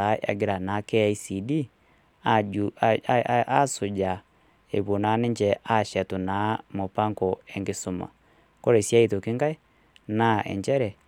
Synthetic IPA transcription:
a˨˦ʔa̰˨ɡe˨˦ɾa˨na˨˦kɛ˦i˦si˨di˦ | a˦su˨d͡ʒa˨ | ḛ˨βo˨na˨˦ne˦ɲd͡ʒɛ˨ʔa˦ʃɛ˨tu˨na˨˦mo˨pa˦ŋkɔ˨ɛ˨ŋɡe˨su˨ma̰˨ | ko˦ɾe˨sja˦i˦˨to˨ke˦ŋɡa˦e˦ | na˦ʔɛ̰˨ɲd͡ʒɛ˦ɾɛ˨

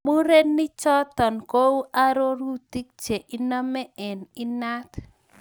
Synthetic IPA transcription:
mu˦ɾe˦nːi˦t͡ʃɔ˦t̪ɔ˨nko˦u˦ʔa˦ɾo˦ɾu˦t̪i˦k̚d͡ʒe˨ʔi˦nɔ˦mɛ˦ʔɛ˨ni˦na˦t̪

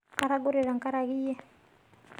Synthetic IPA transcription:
ka˦ɾa˦ɡo˦ɾɛ˨ɾa˨ŋ˨ka˦ɾa˨ɣi˦jɛ˦

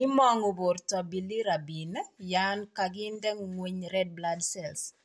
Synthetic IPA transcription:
ɪ˦mɔ˦ŋo˨bo˨rtɔ˨bi˨li˦ɾa˨bi˨nɛ˦jankaɡɪ˦ndɛ˦ŋŋweɲɾɛd̚bladsɛls

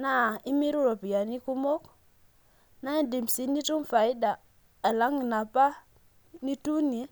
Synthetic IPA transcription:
na˦˨i˦mi˦ɾu˦ɾo˨pi˨ja˨ni˦ku˦mo˦k | na˦i˦di˨msi˨ni˦tu˦mfa˨i˦da˨ | a˨la˦ŋi˨na˨pa˦ | ni˦tu˦ni˨˦

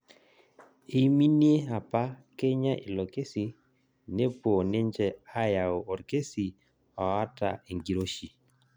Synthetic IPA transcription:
i˦mi˦ni˦e˦a˨pa˦ke˦ɲa˦ʔḭ˨lo˨ke˦si˨ | ne˦pwo˨ne˦nd͡ʒɛ˦˨a˦ja˨o˨ɔ˨ɾke˦si˨ | ɔ˨a˦ta̰˨e˨ŋɡi˨ɾo˦ʃi˨

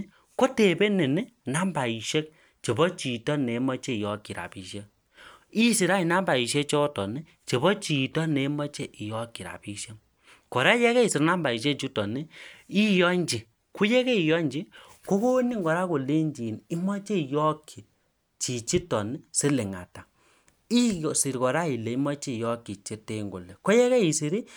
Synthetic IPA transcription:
ko˦te˨be˦ne˨ni˦na˦mba˨i˨ʃe˦k̚ | t͡ʃe˨bɔ˦t͡ʃi˨tɔ˦ne˨˦mɔ˦t͡ʃe˦i˨jɔ˦kːi˨ɾa̰˨pi˨ʃe˦ | i˦si˨ɾa˦i˨na˦mba˨i˨ʃ̬e˦t͡ʃɔ˦tɔ˨ni˦ | t͡ʃe˨bɔ˦t͡ʃi˨tɔ˦ne˨˦mɔ˦t͡ʃe˦ʔi˨jɔ˦ki˨ɾa̰˨pi˦ʃe˦ | kɔ˨ɾɛ˦jɛ˦kɛ˦i˨si˨ɾna˦mba˨i˨ʃ̬e˦t͡ʃi˦tɔ˨ni˦i˦jɔ˦ɲd͡ʒi˨ | ku˦jɛ˦kɛ˦i˨jɔ˦ɲd͡ʒi˦ | ko˦ko˦ni˦ŋɡɔ˨ɾa˦ko˨le˦ɲd͡ʒi˨ni˦mɔ˦t͡ʃe˦i˨jɔ˦kʰi˨ | t͡ʃi˨t͡ʃi˦tɔ˨ni˦se˦lɪ˨ŋa̰˨ta˨ | i˦˨si˨ɾi˨kɔ˨ɾa˦i˨le˨i˦mɔ˦t͡ʃi˦˨jɔ˦ki˨t͡ʃe˦te˦ŋɡo̰˨lɛ˨ko˦jɛ˦kɛ˦i˨si˨ɾi˦

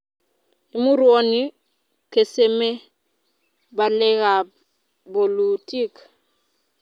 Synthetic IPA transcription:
i˦mu˦ɾu˦o˦ni˦ | ke˨se˦me˦ | ba˨le˦ɣa˨ | bo˨lu˨ti˦k

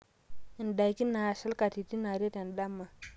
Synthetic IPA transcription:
i˨nda˨jki˦na˨sa˦lka˨ti˨ti˦na˨ɾe˦ta˨nda˦mːa˨

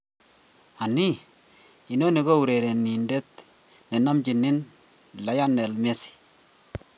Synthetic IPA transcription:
a˨ni˦ | i˨no˦ne˨ɡo˦u˨ɾe˨ɾe˨ni˨nde˦t̪̚ | nɛ˨na˦mt͡ʃi˨nːɪ˦n | la˨ja˦nːɛ˨lmɛ˦si̥˨

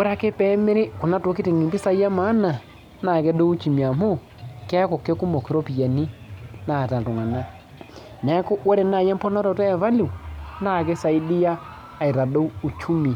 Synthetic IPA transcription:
wʊ˦ɾa˦ke˦pɛ˦mɪ˦ɾɪ˦kʊ˨na˦to˨˦ki˦ti˨ŋi˨mbi˦sa˦a˦ma˨˦na˨ | na˨kɛ˦do˦u˦t͡ʃi˨mi˨a˨mo˦ | kɛ˦kɔ˨kːɛ˦ku˦mo˨ki˨ɾɔ˦pi˨ja˨ni˦na˨ta˨tʊ˨ŋa˨na˦ | nɛ˨˦kʊ˦wo˦ɾɛ˨na˨jɛ˦m˦pɔ˦nɔ˦ɾɔ˨tɛ˦ɛ˨va˦li˨na˦˨kɛ˦sa˨i˦di˦jaː˦˨ | i˨ɾa˨do˦wu˨t͡ʃu˦mi˨

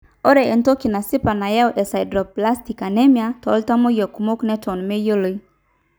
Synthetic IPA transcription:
o˦ɾɛ˨e˨nto˦ki˨na˨sɪ˦pa˨na˨ja˦wʔɛ˨sa˨jdɾɔ˨pla˦sti˨ka˨nɛ˦mja˦tɔ˨˦lta˦mo˦jo˨ku˨mo˦knɛ˦tʰɔ˨nme˦jo˦lo˦i˦

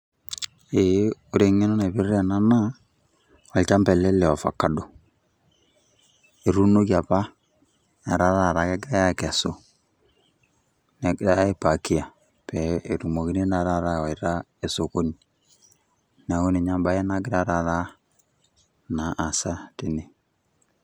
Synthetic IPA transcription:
e˨˦o˦ɾe˨ŋe˦no˦na˨bɪ˦ɾɛ˦˨na˦na˦ | ɔ˨lt͡ʃa˦mbɛ˨lɛ˦lɛ˨ɔ˨fa̰˨ka˦do˨ | e˨ɾu˦no˦ki˦a˨pa˦ | a˨ɾa˦ɾa˦˨ɾa˨˦kɛ˦ɡɪ˦ɾa˦ja˦ka˨so˦ | nɛ˨a˦e˦pa˨ki˦a˨ | pɛ˨e˨ɾu˨mo˨ki˦ne˦na˨ɾa˦˨ɾa˦˨ɔ˨i˨ɾa˦ | e˨so˨ko˦ni˨ | na˨o˦ne˨ɲa˦mba˦jɛ˦na˦ɡɪ˦ɾa˦ɾa˨ɾa˦ | na˨ʔːsa˦ti˨ne˨

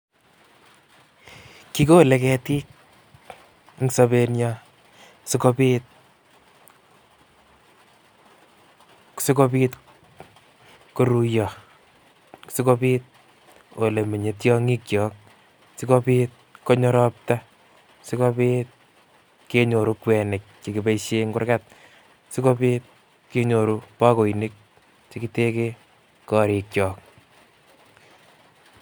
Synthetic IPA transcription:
ki˦ko˦le˨kɛ˧ti˦k̚ | ŋso˦be˧njɔ | sɪ˦ko˦pi˦t̚ | si˦ko˦pi˦t | ko˦ɾu˧jɔ˨ | si˦ko˦piː˦t̪̚ | o˨le˨me˨ɲe˨tjɔ˦ŋi˦k̚t͡ʃɔː˨k̚ | si˦ko˦piː˦t̚kɔ˦ɲɔ˦ɾɔ˦p̚ta˦ | ksɪ˦ko˦piːt̚ | ke˦ɲo˨ɾu˦kwɛ˨ne˨k̚t͡ʃi˨ki˨pe˦ʃeŋkʊ˦rkat̚ | ksɪ˦ko˦piː˦t̚ | ke˦ɲo˨ɾu˦pa˦ko˨i˨ne˦k̚ | t͡ʃi˦ki˦te˦ke˦ | kɔ˨ɾi˨k̚t͡ʃɔː˨k̚

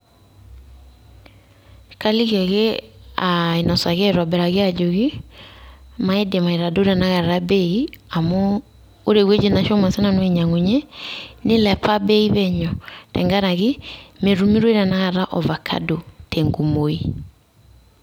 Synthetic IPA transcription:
ka˦li˦ɣɛ˨ɣɛae˨na˨sa˨ɣɛ˦ɾa˨bɛ˨ɾa˨ɣe˦ad͡ʒoɣi˦ | ma˦ɛ˦de˨ma˨e˨ɾa˨do˦ɾa˨naɣa˨ɾa˦bɛia˨mɔ˦ | o˦ɾe˨ɣwe˦d͡ʒe˨na˨ʃɔ˦ma˨sɛ˦nanweɲa˨ŋo˨ɲɛne˦lɛ˨pʰa˦bɛ˦iβɛɲɔtɛ̰˨ŋɡa˦ɾaɣi˦me˨ɾu˦mi˦ɾwe˦ɾa˨naɣa˨ɾa˦ʔɔ˨βa˨kʰa̰dotʰɛŋɡu˨mo˨i˦

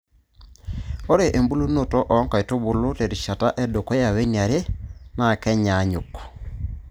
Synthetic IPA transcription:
o˦ɾe˨ʔe˨mbu˦lu˦no˦tɔ˦ʔɔ˨˦ŋka˨i˨to˦βo˨lo˦te˨ɾi˨ʃa˨ta˦ʔɛ˦do˨kɔ˦ja˨we˦nia˨ɾe˦ma˦˨kɛ˦ɲa˨˦ɲo˨kɔ̥˨

